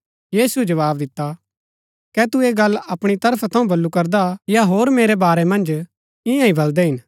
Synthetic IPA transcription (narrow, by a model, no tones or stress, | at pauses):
jiːsuɛd͡ʒɐʋaːbd̪ɪt̪ːa | kɛt̪ueɡɐlːɐpɽ̃it̪ɐɾpʰat̪ʰɐ̃ũbɐlːukɐɾd̪ajaɦoːɾmeːɾɛbaːɾɛmɐ̃nd͡ʒ | ɪ̃jãĩbɐld̪ɛɦɪn